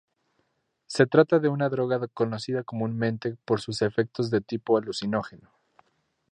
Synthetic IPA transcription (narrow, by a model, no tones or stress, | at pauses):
se̞t̪ɾat̪aðe̞unaðɾo̞ɣaðko̞no̞siðako̞munmẽ̞nt̪e̞po̞ɾsuse̞fe̞k̚t̪o̞zðe̞t̪ipo̞alusino̞xe̞no